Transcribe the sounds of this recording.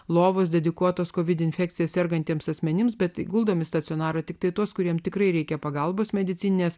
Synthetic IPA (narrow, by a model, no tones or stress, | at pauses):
lˠoːʋoːsd̪ʲɛd̪ʲɪkuɔt̪oːskoːʋʲɪd̪ʲɪnʲfʲɛːk̚t̪sʲɪjɛːssʲɛɾɡɐnʲt̪ʲiːmsɐsʲmʲɛnʲɪmsbʲɛt̪ɡʊlˠd̪oːmʲɪst̪ɐt̪sʲɪoːnɑːɾɐt̪ʲɪk̚t̪ɐɪt̪uɔskʊɾʲiɛmt̪ʲɪkɾɐɪɾʲɛɪkʲɛpɐɡɐlˠboːsmʲɛd̪ʲɪt̪ʲiːnʲɪnʲeːs